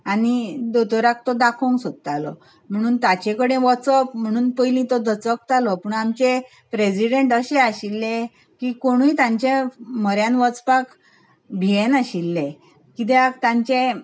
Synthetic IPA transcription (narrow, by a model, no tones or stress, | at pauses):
anid̪ot̪ɔɾak̚t̪ɔd̪akʰoŋksod̪̚t̪alɔ̰ | m̤əɽ̃uːnt̪at͡ɕekəɽẽʋɔt͡sɔpm̤əɽ̃uːnpəjlĩt̪ɔd̪ət͡sək̚t̪alɔpuːɳamt͡ɕe | pɾesiɖeɳʈəɕeaɕilːẽ | kiːkoɽ̃uit̪ãɲt͡ɕeməɾjãnʋɔt͡spak | bʱijenaɕilːe | kit̪̬eakt̪ãɲt͡ɕẽ